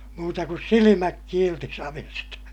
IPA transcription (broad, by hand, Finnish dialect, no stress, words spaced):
muːtɑ kus silimæk kiːlti sɑʋestɑ